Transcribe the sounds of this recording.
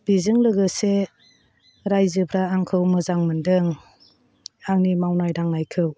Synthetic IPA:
b̥izɯŋlɯɡɯse | ɾajzɯpʰɾaːŋkʰɯwməzaŋməndɯŋ | aŋnimawnajɾaŋnajkʰɯw

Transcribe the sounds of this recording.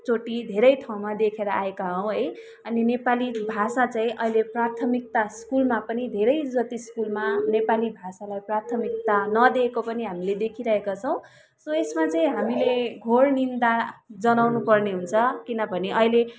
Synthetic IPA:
t͡soʈid̪ʱeɾʌjʈʰaw̃mad̪ekʰeɾʌaekaɦʌw̃ɦʌj | ʌninepalibʱasat͡saĩʔʌ̰ɦileprat̪ʰʌmik̚t̪askulmapʌnid̪ʱeɾʌjd͡zʌt̪iskulmanepalibʱasalajprat̪ʰʌmik̚t̪anʌd̪ekopʌniɦamiled̪ekʰiɾʌɦekat͡sʰʌ̃w̃ | sʌesmat͡saĩɦamileɡʱornind̪ad͡zʌnawnupʌrneɦunt͡sʰʌkinʌbʱʌneʔʌɦile

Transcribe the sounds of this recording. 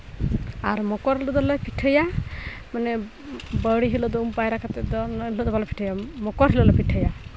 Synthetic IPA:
aɾmɔkɔɾɦilɔd̪ɔlɛpʰiʈʰəja | mane | bəɽiɦilɔd̪ɔumpajɾakat̪ɛd̪ɔnɦilɔd̪ɔbalɔpʰi̥ʈʰəjamɔkɔɾɦilɔlɛpiʈʰəja

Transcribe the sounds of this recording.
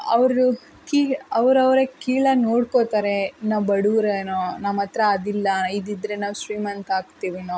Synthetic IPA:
ɐʋɾu | kiɐʋɾɐʋɾekiːɭɐnoːɽkot̪aːɾe̞nɐbɐɽuːɾenonɐmɐt̪ɾɐːd̪ilːɐid̪id̪ɾenaːʋsɾiːmɐnt̪aːɡt̪iːʋinoː

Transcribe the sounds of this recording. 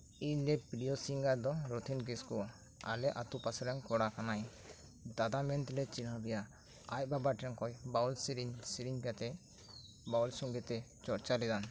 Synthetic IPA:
iɲlɛpiɖijɔsiŋɡaɾd̪ɔɾɔt̪ʰinkiskɔ | a̰lɛʔat̪upasɛɾɛŋkɔɽakanaj | d̪ad̪amɛnt̪lɛt͡ʃinabɛja | ajbabaʈɛŋkɔjbaulsiɾiɲsiɾiɲkat̪ɛ | bawlsuŋɡɛt̪ɛ | t͡ʃɔɾt͡ʃalɛd̪an

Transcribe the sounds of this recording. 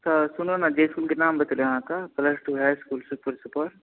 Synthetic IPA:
sɐsʊnonad͡ʒeːskuːlkenaːmbɐt̪ljɐɦãkapləsʈuɦɛskuːlsupəɾsupəɾ

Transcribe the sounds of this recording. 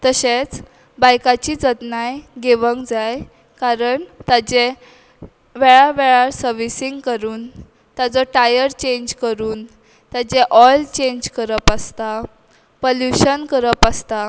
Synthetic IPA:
t̪əɕet͡s | bajkat͡ɕid͡zət̪najɡeʋəŋkd͡zaj | kaɾəɳt̪ad͡ʑe | ʋɛɭaʋɛɭaɾsəɾʋisiŋɡkəɾuːn | t̪jad͡zɔʈajəɾt͡ɕẽɲd͡ʑkəɾuːn | t̪jad͡ʑeʔɔlt͡ɕẽɲd͡ʑkəɾəpast̪a | poljuɕənkəɾəpast̪a

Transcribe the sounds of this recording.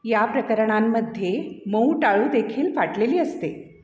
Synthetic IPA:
japɾəkəɾɳamːəd̪ʱːjeməwʈaɭuːd̪ekʰiːlfaʈleliːəst̪e

